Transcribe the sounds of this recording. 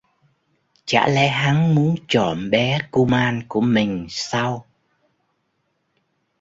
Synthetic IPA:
t͡ɕa̰ː˧˥lɛ̰˧˥ɦa˨˦ŋmu˨˦ənt͡ɕɔ˧˩nɓɛ˨˦ku˧maː˧nku˧˩əmï˨˩ŋ̟sa˧w

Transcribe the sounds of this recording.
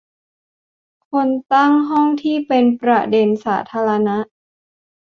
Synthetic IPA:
kʰo˧nt̪a˥˩ŋɦɔ˥˩ŋt̪ʰiː˥˩pe˧npɾa˧˩de˧nsaː˩˦t̪ʰaː˧ɾa˧na˦˥ʔ

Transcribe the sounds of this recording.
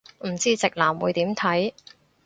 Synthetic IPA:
m̩˨˩t͡siː˥t͡sɪ˨k̚laː˨˩mwuː˨˧jt̪iː˨˥mt̪ʰɐ˨˥j

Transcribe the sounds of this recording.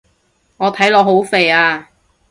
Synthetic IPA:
ŋɔː˨˧t̪ʰɐ˨˥jlɔː˨˧ɦo˨˥wfe˨jaː˧

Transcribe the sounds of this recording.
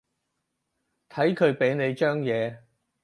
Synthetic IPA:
t̪ʰɐ˨˥jkʰɵ˨˧ɥpe˨˥jne˨˧jt͡ʃœː˥ŋjɛː˨˧

